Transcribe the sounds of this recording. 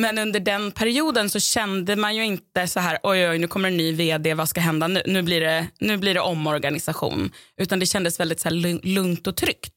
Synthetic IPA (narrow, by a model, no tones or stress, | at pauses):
mɛnɵnd̪əɖɛnpʰæɾɪuːd̪ənsɔɕɛnd̪əmanjɵɪnt̪əsaɦæːɾʔɔjɔjnʉ̟ːkʰɔmːəɾɛnːyːveːd̪eːvɑskaɦɛnd̪anʉ̟̰ːnʉ̟ːbliɖɛnʉ̟ːblɪɖɛʔɔmːɔɾɡanɪsaɧṵːnʉ̟ːt̪and̪ɛɕɛnd̪əsvɛld̪ɪt̪sæːɭɵŋlɵŋt̪ɔt̪ʰɾʏkt̪